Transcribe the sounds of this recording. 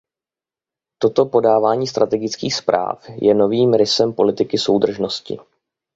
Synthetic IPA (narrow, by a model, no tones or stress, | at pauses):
t̪o̞t̪o̞po̞daːvaːɲiːst̪ɾat̪ɛɡɪt͡skiːxspɾa̰ːfjɛno̞viːmɾɪsɛmpo̞lɪt̪ɪkɪso̞wd̪r̩ʒno̞scɪ̰